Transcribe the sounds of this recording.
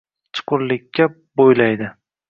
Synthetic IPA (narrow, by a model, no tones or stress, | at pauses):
t͡ʃʰʊ̥qʰʊɾlɪkʲʰːa | bojlajd̪ɪ